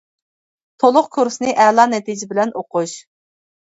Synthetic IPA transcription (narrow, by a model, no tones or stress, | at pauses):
t̪ʰolˠʊqkʰuɾsɨnɨɪʔɛlˠɑnɛt̪ʰid͡ʒɪbɪlɛnoqʊʃ